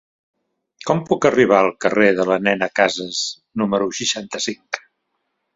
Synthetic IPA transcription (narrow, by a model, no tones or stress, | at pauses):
kɔmpukəriβ̞aəlˠkəreðələnɛnəkazəz | numəɾuʃiʃant̪əsiŋk